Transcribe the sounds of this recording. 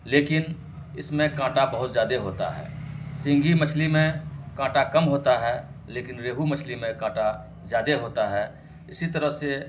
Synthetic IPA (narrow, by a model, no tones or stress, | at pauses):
leːkɪn | ɪsmẽkãːʈabəɦʊt̪zjaːd̪eɦoːt̪a̰ɦɛ̰ːsɪ̃ŋɡimət͡ʃʰlimẽkãːʈakɐmɦoːt̪aɦɛː | leːkɪnɾeːɦumət͡ʃʰlimẽkãːʈa | zjaːd̪eɦoːt̪aɦɛː | ɪsit̪əɾəɦse